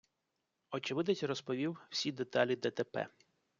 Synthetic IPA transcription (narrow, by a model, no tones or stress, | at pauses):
ɔt͡ʃɪʋɪd̪ɐtʲrɔspɔʋʲiww̥sʲid̪et̪ɑlʲid̪ɛt̪ɛpɛ̰